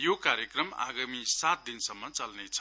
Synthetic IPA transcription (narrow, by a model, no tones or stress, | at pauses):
jokaɾjekrʌma̰ɡamisat̪̚d̪insʌmːʌt͡sʌlnet͡sʰʌ̥